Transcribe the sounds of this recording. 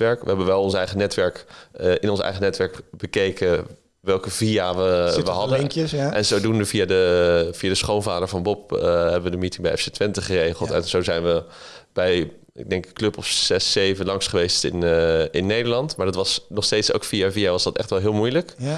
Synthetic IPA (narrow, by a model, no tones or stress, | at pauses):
ʋɛɹkʋəɦɛbəʋɛlˠɔ̃nsɛjχənɛtʋɛɹkəʔɪnɔnsɛ̰jχənɛtʋɛɹkbəkejkə | ʋɛlˠkəviaʋəʋəɦɑdəŋʔɛnzowdunəviadəv̥iadəsχownvaːdəɹvɑnbɔp̚əɦɛbəʋədəmitɪŋbɛjʔɛfsetʋɪntəχərejχəlˠtɛ̰nz̥owzɛjnʋə | b̥ɛj | ɪ̰ɡ̚dɛŋkklɵpɔfsɛsejvənlɑŋsχəʋejstɪ̰nɪnːejdəɹlɑntmaːɹdɑtʋɑsnɔχstejtso̰wkfijaviaʋɑzdɑtɛ̰χtʋɛlˠɦɪːlˠmujlək